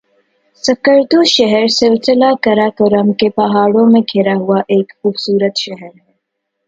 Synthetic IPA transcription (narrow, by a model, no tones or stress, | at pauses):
səkəɾd̪uʃəɦəɾsɪlsɪlakɐɾakoɾəmkepɐɦaːɽõmẽɡʱeɾaɦuaʔeːkxuːbsuːɾət̪ʃɛɦəɾɦɛ